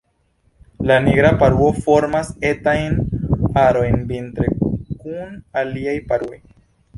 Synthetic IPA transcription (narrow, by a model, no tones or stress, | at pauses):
laniɡɾapaɾuofo̞ɾmase̞tajnaɾo̞jnvintɾekunaliajpaɾue̞j